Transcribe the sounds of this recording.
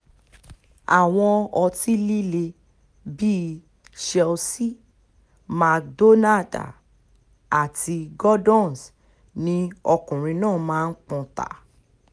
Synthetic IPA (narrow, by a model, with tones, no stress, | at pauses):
a˨w̃ɔ̃˧ɔ˧ti˦li˦le˧ | bi˦ | ʃɛ˧lsi˦ | ma˨kdo˦na˦˨da̰˨ | a˨ti˧ɡɔ˦dɔ̃˦˨s | nĩ˧ɔ˧kũ˨ɾ̃ĩ˧nãː˦˨˦mãː˦˧n̩˦k͡pũ˧ta̰˨